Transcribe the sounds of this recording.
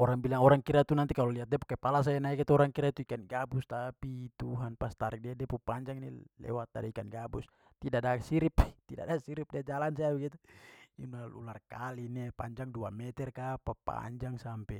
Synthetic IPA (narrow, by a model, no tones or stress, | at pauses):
ɔɾaŋbilaŋɔɾaŋkiɾat̪unant̪ikalɔliɦat̪̚dɛpukɛpalas̬aanaɛkɛt̪uɔɾaŋkiɾat̪uikanɡabust̪apit̪uɦanpast̪aɾik̚dadɛpupaɲd͡ʒaŋnilɛ̰wat̪̚dadiikanɡabus | t̪idadasiɾipt̪ida̰dasiɾip̚dɛd͡ʒalansaabɛɡit̪uṵnalṵlarkalinɛpa̰ɲd͡ʒaŋduamɛt̪ɛrkapapa̰ɲd͡ʒaŋsampɛ